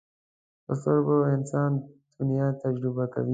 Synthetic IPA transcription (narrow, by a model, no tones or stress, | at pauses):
ʊsoɾboɪnsaːnd̪̥unijaːt̪ɐd͡ʒɾɪbakɐ̰ʋi